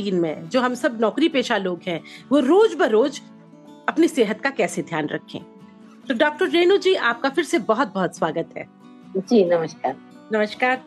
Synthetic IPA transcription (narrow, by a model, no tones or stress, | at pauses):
iːnmḛ̃d͡ʒoːɦɐmsɐbnɔːkɾipeːʃaloːɡɦɛ̃ʋoɾoːd͡ʒbɐɾoːd͡ʒ | ɐpniseːɦət̪kakɛːsed̪ʱjaːnɾɐ̰kʰːḛ̃ː | t̪oɖɔːk̚ʈəɾːeːnud͡ʒiːʔaːp̚kafɪɾsebɔɦɔt̪̚bɔɦɔt̪swaːɡət̪ɦɛ̰ː | d͡ʒiːnɐməʃkaːɾ | nɐməʃkaːɾ